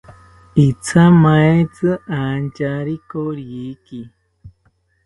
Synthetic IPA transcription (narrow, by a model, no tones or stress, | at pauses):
it͡sʰamajt͡sɨʔand͡ʒaɾikoɾjiki